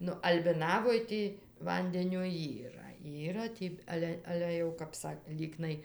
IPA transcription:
ˈnʊ ɐlʲbʲɪˈnɑːʋoːj ˈtʲiː ˈʋɐnʲdʲɛnʲoː ˈiːrɐ ˈiːrɐ tʲiː ˈɑːlʲɛ ˈɑːlʲɛ jɛʊ kɐp ˈsɐk ˈlʲiːknɐɪ

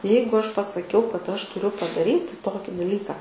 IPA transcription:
ˈjɛɪɡʊ ˈɐʃ pɐsɐˈkʲɛʊ kɐt ˈɐʃ tʊˈrʲʊ pɐdɐˈrʲiːtʲɪ ˈtoːkʲɪ dɐˈlʲiːkɑː

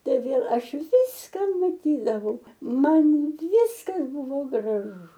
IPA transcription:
ˈtɐɪ ʋʲeːlˠ ˈɐʃ ˈʋʲɪskɐ mɐˈtʲiːdɐʋɐʊ ˈmɐn ˈʋʲɪskɐs ˈbʊʋoː ɡrɐˈʒʊ

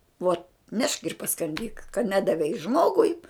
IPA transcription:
uɔt nʲɛʃk ɪr pɐskɐnʲˈdʲiːk kɐ ˈnʲæːdɐʋʲɛɪ ˈʒmoːɡʊɪ

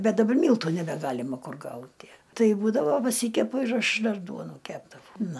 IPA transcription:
ˈbʲɛt dɐˈbɐr ˈmʲiːlˠtʊ nʲɛbʲɛˈɡɑːlʲɪmɐ ˈkʊr ˈɡɐʊtʲɪ ˈtɐɪ ˈbuːdɐʋoː pɐˈsʲiːkʲɛpʊ ɪr ˈɐʃ ˈdɐr ˈduɔnuː ˈkʲæːbdɐʋɐʊ ˈnʊ

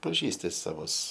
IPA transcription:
pɐˈʒʲiːsʲtʲɪ sɐˈʋʊs

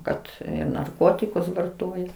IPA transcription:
ˈkɐt nɐrˈkoːtʲɪkʊs ʋɐrˈtoːjɛ

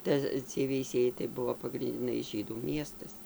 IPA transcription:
ˈtɐ t͡sʲiɛj ʋʲɛɪˈsʲiɛjɛɪ tɐɪ ˈbʊʋoː pɐɡrʲɪnʲdʲɪˈnɐɪ ˈʒʲiːduː ˈmʲiɛstɐs

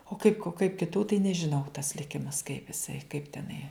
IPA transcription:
oː ˈkɐɪp kɐɪp kʲɪˈtuː tɐɪ nʲɛʒʲɪˈnɐʊ tɐs lʲɪˈkʲɪmɐs kɐɪp ɪˈsɐɪ kɐɪp tʲɛˈnɐɪ

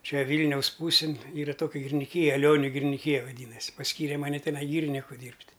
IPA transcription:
ˈt͡ʃʲɛ ˈʋʲiːlʲnʲɛʊs ˈpuːsʲɪn ˈiːrɐ ˈtoːkʲɛ ɡʲɪrʲɪnʲɪˈkʲiːjɛ ɐˈlʲoːnʲʊ ɡʲɪrʲɪnʲɪˈkʲiːjɛ ʋɐˈdʲiːnɐsʲ pɐsʲˈkʲiːrʲɛ ˈmɑːnʲɛ tʲɛˈnɐɪ ˈɡʲiːrʲɪnʲɪkʊ ˈdʲiːrʲpʲtʲ

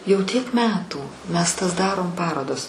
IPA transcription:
jɛʊ tʲiɛk ˈmʲæːtuː mʲɛs tɐs ˈdɑːroːm ˈpɑːroːdɐs

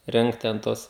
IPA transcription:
ˈrʲɛŋkt tʲɛn ˈtuɔs

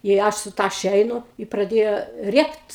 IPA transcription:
ɪ ˈɐʃ sʊ ˈtɑːʃʲɛ ˈɛɪnʊ ɪ prɐˈdʲeːjoː ˈrʲiɛkt

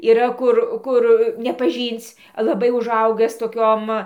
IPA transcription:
iːˈrɐ ˈkʊr ˈkʊr nʲɛpɐˈʒʲiːnt͡s lˠɐˈbɐɪ ʊˈʒɐʊɡɨs toːˈkʲoːm

